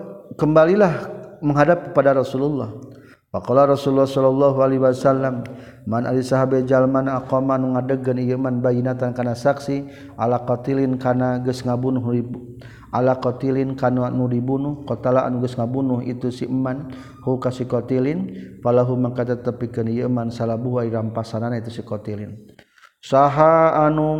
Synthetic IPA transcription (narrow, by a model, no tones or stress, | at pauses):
kəmbalilahməŋɦadap̚kəpadaɾɔsululːɔh | wakɔlaɾɔsululːɔhsɔlːɔlːɔɦualiwasalːamː | anʔa̰lisaɦabed͡ʒalmanaakɔmanuŋadəɡənijəmanbajinat̪ankanasaksi | ʔalakɔt̪ilɪnkanaɡəsŋabunʊɦni | alakɔt̪ilinkanunudibunuhkɔt̪alaʔa̰nuɡəsŋabunuhḭt̪usiʔəmːan | hukasikɔt̪ilinfalaɦumakat̪at̪əpikənijəmansalabuɦuaiɾampasananait̪usikɔt̪ilin | saɦaːnu